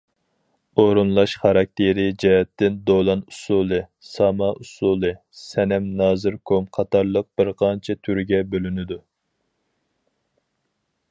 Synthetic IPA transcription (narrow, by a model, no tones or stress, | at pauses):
oɾunlˠɑʃχɑɾɑk̚ʲt̪ʰeɾɪd͡ʒɛɦɛt̪ːɪnd̪olˠɑnusulˠɨ | sɑmɑʔusulˠɨ | sɛnɛmnɑːzɨɾkʰomqʰɑt̪ɑɾlˠəq̚b̥ɪɾqʰɑnt͡ʃʰɛt̪ʰyɾɡʲɛbølynɪd̪u